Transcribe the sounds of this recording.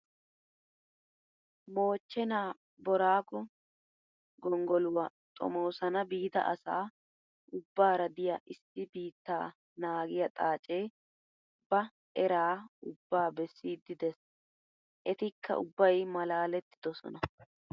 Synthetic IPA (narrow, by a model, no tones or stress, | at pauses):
mo̞ːt͡ʃːɛnaː | bɔɾaːkɔ | ɡɔŋɡɔlʊwɐ | t̪ʼɔ̰mowsɐnɐbiːd̪ɐ̰ʔɐsa̰ː | ʔʊbːaːɾɐd̪ɪjaʔɪsːɪbiːt̪ːaː | naːɡɪjɐt̪ʼaːt͡ʃʼe̞ː | bɐ | ʔɛɾaːʊbːaːbɛsːiːd̪ːɪd̪ɛs | ʔɛt̪ɪkʰːɐ̰ʔʊbːɐjmɐlaːlɛt̪ːɪ̥d̪ɔsɔ̰nɐ